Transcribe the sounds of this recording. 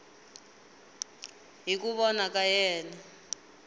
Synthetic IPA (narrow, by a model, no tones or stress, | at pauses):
ɦik̬uɓɔnakajɛːna